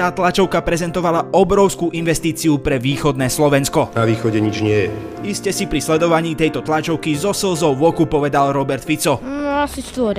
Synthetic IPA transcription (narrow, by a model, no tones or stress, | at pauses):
t̪aːt̪lat͡ʃɔʊkapɾɛzɛnt̪ɔʋalaɔbɾɔʊskuːʔinʋɛst̪iːt͡siupɾɛʋiːxɔd̪nɛːslɔʋɛnskɔnaʋiːxɔɟɛɲid͡ʒɲɪɛjɛ | iscɛsipɾislɛd̪ɔʋaɲiːt̪ɛjt̪ɔt̪lat͡ʃɔʊkizɔsɛlzɔʊʋɔkupɔʋɛd̪alɾɔbɛɾt̪fit͡sɔnɔasist̪ʋɔɾ